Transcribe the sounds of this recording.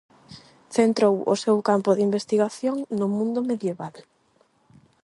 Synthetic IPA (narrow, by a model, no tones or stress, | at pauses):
θent̪ɾowʊ̰sewkampʊðimbest̪iɣaθjoŋnʊmũnd̪ʊmeðjeβal